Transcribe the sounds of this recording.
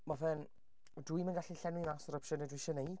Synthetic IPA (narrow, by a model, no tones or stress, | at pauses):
mavɛn | dujmənɡaɬiɬɛnwimasɔɾɔpʃɔnɛdwɪʃɔnej